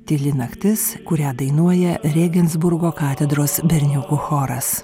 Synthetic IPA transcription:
t̪ʲɪlʲɪnɐkt̪ʲɪskʊɾʲæːd̪ɐɪnuɔjɛɾʲeːɡʲɛnzbʊɾɡoːkɑːt̪ʲɛd̪ɾoːsbʲɛɾʲnʲʊkʊxoːɾɐs

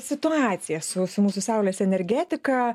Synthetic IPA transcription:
sʲɪt̪ʊɑːt̪sʲɪjɛsʊsʊmuːsʊsɑˑʊlʲeːsɛnʲɛɾʲɡʲæːt̪ʲɪkɐ

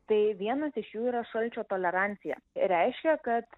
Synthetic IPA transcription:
t̪ɐɪʋʲiɛnɐsɪʃjuːiːɾɐʃɐlʲt͡ʃʲoːt̪oːlʲɛɾɑnʲt̪sʲɪjɛ̰ɾʲæɪʃʲkʲɛkɐt̪

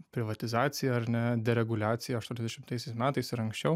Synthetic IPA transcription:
pʲɾʲɪʋɐt̪ʲɪzɑːsʲɪjɛɐɾnʲɛd̪ʲɛɾʲɛɡʊlʲæːt̪sʲɪjɛɐʃt̪uːnʲɛzd̪ʲɛʃʲɪmt̪ɐɪsʲɛɪsmʲæːt̪ɐɪsɪɾɐŋksʲt͡ʃʲɛʊ

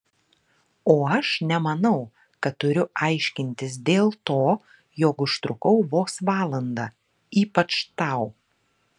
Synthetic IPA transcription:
oːɐʃnʲɛmɐnɐʊ | kɐt̪ːʊɾʲʊʔɑɪʃʲkʲɪnʲt̪ʲɪs̬d̪ʲeːlˠt̪oː | joːkʊʃt̪ɾʊkɐʊʋoːsʋɑːlˠɐnd̪ɑː | iːpɐt͡ʃt̪ɐˑʊ

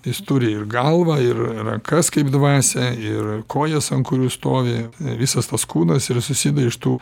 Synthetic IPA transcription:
jɪst̪ʊɾʲɪɪrɡɐlˠʋɐɪrrɐ̰ŋkɐskɐɪbd̪ʋɑːsʲɛɪrkoːjɛsɐnkʊɾʲuːst̪oːʋʲɪʋʲisɐst̪ɐskuːnɐsɪrsʊsʲid̪ɐɪʃt̪uː

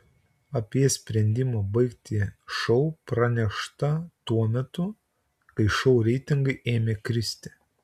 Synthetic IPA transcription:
ɐpʲiɛsʲpʲɾʲɛnʲd̪ʲɪmɑbɐɪkt̪ʲiʃɐʊpɾɐnʲɛʃt̪ɐt̪uɔmʲɛt̪ʊ | kɐɪʃɔʊɾʲɛɪt̪ʲɪŋɡɐɪʔeːmʲeːkɾʲɪsʲt̪ʲɪ

